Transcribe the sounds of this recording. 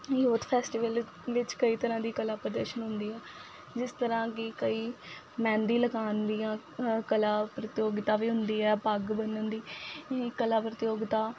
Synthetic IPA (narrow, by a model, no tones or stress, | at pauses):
joːt̪pʰɛːsʈiːʋəl | ʋɪt͡ʃkəiːt̪əɾãːd̪iːkəlaːpɾəd̪əɾʃənɦʊ̃nd̪iːɛː | d͡ʒɪst̪əɾãːkɪkəiː | mɛ̃ːnd̪iːləkaːnd̪iːãː | kəlaːpɾət̪joːɡt̪ãːʋiːɦʊnd̪iːɛːpəɡbənənd̪iːkəlaːpɾət̪ɪjoːɡt̪aː